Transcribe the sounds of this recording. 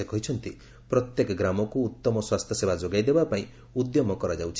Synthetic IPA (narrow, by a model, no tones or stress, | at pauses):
ekɔɦit͡ʃʰɔnt̪i | pɾɔt̪jekɔɡɾamɔkuːt̪ːɔmɔswast̪ʰjɔsebad͡ʒoɡajd̪ebapaĩ | ud̪jɔmɔkɔɾad͡ʒawt͡ʃʰi̥